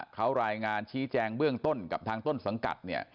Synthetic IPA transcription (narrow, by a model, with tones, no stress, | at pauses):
kʰa˦˥wɾaː˧jŋaː˧nt͡ɕʰiː˦˥t͡ɕɛː˧ŋbɯ˥˩əŋt̪o˥˩nka˨˩pt̪ʰaː˧ŋt̪o˥˩nsa˩˦ŋka̰˨˩t̪̚ni˥˩ə